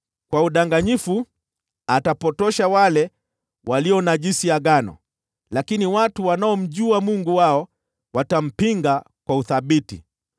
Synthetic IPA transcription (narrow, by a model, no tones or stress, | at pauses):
kwauɗaŋɡaɲifu | atapɔtɔʃawalɛ | wʔaliɔnaʄisiaɠanɔ̰ | lakiniwatuwanaɔm̩ʄuamuŋɡuwaɔ | watam̩piŋɡa | kwauθaɓitḭ